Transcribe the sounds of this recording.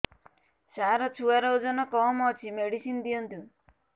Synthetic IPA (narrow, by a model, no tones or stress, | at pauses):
saɾɔt͡ʃʰuaɾɔwd͡ʒɔnɔkɔmɔt͡ʃʰimeɽisind̪iɔnt̪ũ